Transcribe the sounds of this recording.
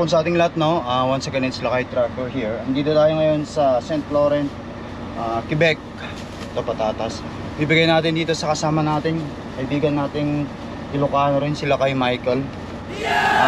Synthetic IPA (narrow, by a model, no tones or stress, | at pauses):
kʊŋsɐʔaːt̪ɪŋlɐhat̪̚no̞awɐnsɐɡɐnɛnsɪlakɐjt̪ɾak̚t̪oɹhiɹhɪnd̪iːd̪ot̪aːjoŋɐjo̞nsɐsɛnt̪floɾɛns | ʔakɪbɛk̚ | t̪opɐt̪aːt̪ɐs | biːbɪɡajnaːt̪ɪnd̪iːt̪o̞sɐkɐsaːmɐnaːt̪ɪŋ | kɐʔɪbiːɡɐnːaːt̪ɪŋ | ʔɪlʊkaːnoɾɪnsɪlakɐjmajkɛl